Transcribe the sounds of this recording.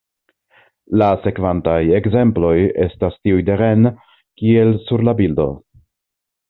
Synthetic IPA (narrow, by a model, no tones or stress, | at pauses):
lase̞kvantaje̞ɡze̞mplo̞je̞̰stastiujdeɾe̞n | kie̞lsuɾlabildo̞̰